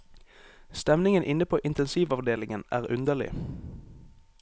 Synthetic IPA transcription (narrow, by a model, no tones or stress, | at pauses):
st̪ɛmnɪŋənʔɪnəpʰoːʔɪnt̪ɛnsiːʋɑʋd̪eːlɪŋənæːʁʉnd̪əʁlɪ̰